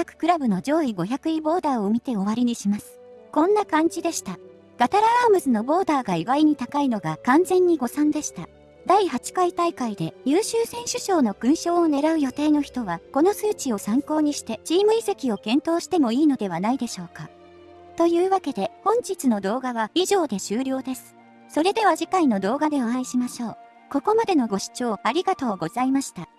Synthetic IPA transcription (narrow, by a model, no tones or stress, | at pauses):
akɯ̟̥kɯ̟ɾabɯ̟no̞d͡ʑo̞ːiɡo̞çakɯ̟ibo̞ːd̪aːo̞mʲit̪e̞o̞βaɾʲiɲ̟iɕimasɨ̥ | kõ̞nːakãɲ̟d͡ʑid̪e̞ɕi̥t̪a | ɡ̥at̪aɾaaːmɯ̟zɨno̞bo̞ːd̪aːɡaiɡaɾʲiɲ̟it̪akaino̞ɡakãnd͡zẽ̞ɲ̟ːiɡo̞sãnd̪e̞ɕi̥t̪a | d̪aihat͡ɕi̥kait̪aikaid̪e̞jɯːɕɨːsẽ̞ɰ̃ɕɨɕo̞ːno̞kɯ̟̃ɰ̃ɕo̞ːne̞ɾaɯ̟jo̞t̪e̞ːno̞çi̥t̪o̞βako̞no̞sɨːt͡ɕio̞sãŋko̞ːɲ̟iɕi̥t̪e̞d͡ʑiːmɯ̟ise̞kʲio̞kẽ̞nt̪o̞ːɕi̥t̪e̞mo̞iːno̞d̪e̞β̞anaid̪e̞ɕo̞ːka | t̪o̞jɯ̟ːβake̞d̪e̞hõ̞ɲ̟d͡ʑit͡sɨno̞d̪o̞ːɡaβaiʑo̞ːd̪e̞ɕɨːɾʲo̞ːd̪e̞sɨ̥ | so̞ɾe̞d̪e̞β̞aʑikaino̞d̪o̞ːɡad̪e̞oãiɕimaɕo̞ː | ko̞ko̞mad̪e̞no̞ɡo̞ɕi̥t͡ɕo̞ːaɾʲiɡat̪o̞ːɡo̞zaimaɕi̥t̪a